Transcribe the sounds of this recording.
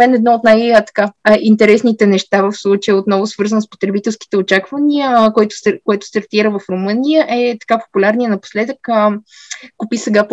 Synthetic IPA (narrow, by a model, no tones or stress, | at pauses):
mɛnɛd̪nɔot̪najət̪ɐ̥kaint̪ɛɾɛsnit̪ɛnɛʃt̪avəfslˠut͡ʃəjəot̪nɔvʊsvɤɾzənspo̥t̪ɾɛbit̪ɛlˠski̥t̪ɛot͡ʃakvəniəkɔjt̪ʊ̥skoɛt̪ʊ̥st̪ɐɾt̪iɾəvəfɾomɤnijəʔɛt̪ɐ̥kapo̥pulʲaɾnijənɐpo̥slɛd̪əkə | kupisɛɡap